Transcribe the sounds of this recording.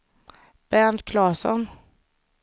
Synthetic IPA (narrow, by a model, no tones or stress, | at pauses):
b̥ænt̪kʰlɑːsɔ̰n